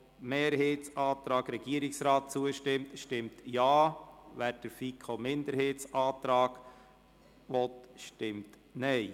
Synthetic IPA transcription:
meːɾheːtsɑːt̪ɾɑːɡɾɛɡ̥iəɾiksɾɑːt̚t͡suəʃtɪmtʃtɪmtjɑːʋæːɾd̥əɾfikʰomɪnd̪əɾheːtt͡sɑːt̪ɾɑːɡ | ʋɔtʃtɪmt | nɛɪ

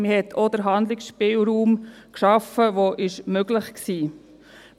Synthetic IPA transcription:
məhɛt̪ʰod̥̪əɾɦɑnd̪lɪksʃpɪːlɾuːm | kʃɑfəʋoʔɪʃmøɡlɪχksiː

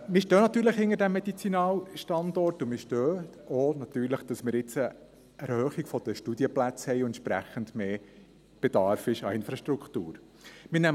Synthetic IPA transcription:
mɪɾʃtøːnɑt̪yːɾləχhɪŋəɾdæmːɛd̪it͡sinɑːlʃtɑnd̪ɔrtʊmɪʃtøː | oːnɑt̪yːɾləχd̥ɑsmɪːɾɪt͡sə | æɾhœːχiɡfɔd̥̪əʃtud̪iəplæt͡shɛɪʊɛntt͡ʃʃpɾæ̰χənd̥meː | b̥ed̥̪ɑːɾfɪʃɑ̰ɪnfɾɑʃtɾuktuːɾ | mɪnæm

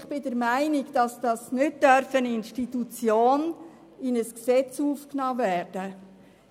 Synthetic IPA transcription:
ɪχb̥ɪdɛɾmæɪnɪɡd̥ɑsd̥ɑsnʏt̚d̥œɾfəninʃtitut͡sjoːn | ɪnəsksɛt͡suːfknɑːvɛːɾd̥ə

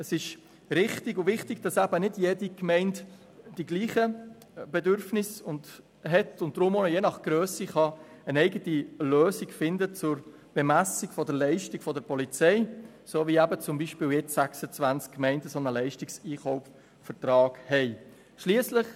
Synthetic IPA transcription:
əsɪʃ | ɾɪχtɪɡʊvɪχtɪɡ̥̚d̥ɑsæbənɪdjeːdikmɛɪnt | d̥iɡliːχə | b̥ɛdʏɾfnɪsʊnd | ɦɛtʊnt̚d̥ɾʊmoːnəjeːnɑχɡ̥ɾøːsiχɑ | ənɛɪɡətiløːsiɡfɪndət͡sʊɾ | b̥ɛmæsɪɡfɔdəɾlɛɪʃtikfɔdəɾpɔlit͡sɛɪ | soːvʋiæbət͡sʊmbiːʃpɪːljɛt͡ssæksət͡sʋænt͡skkːmɛɪndəsonəlɛɪʃtɪksiːχɔʊf | fəɾtɾɑːɡ̥hɛɪ | ʃliəsləχ

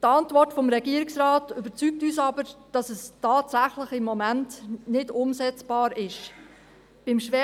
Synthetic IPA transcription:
tɑntvɔɾtfɔmɾɛɡiəɾɪksɾɑːtʏb̥ət͡syk̚tyːsɑbəɾd̥ɑsɛstɑːtsæχlɪχɪmːɔmæntnɪdʊmsɛt͡sb̥ɑːɾɪʃ | b̥ɪmʃʋɛ

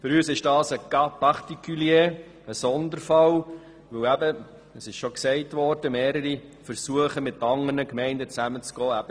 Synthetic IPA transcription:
fʏɾyːsɪʃd̥ɑːsəɡɑpʰɑʁtikʰyljeː | əsɔnd̪əɾfɑl | ʋɵwæbə | əsɪʃʃɔksɛɪtʋɔɾd̥əmeːɾəɾi | fəɾsuəχəmɪtːɑŋərnəkmɛɪndət͡sæmət͡sɡ̥ɔːæb̥ə

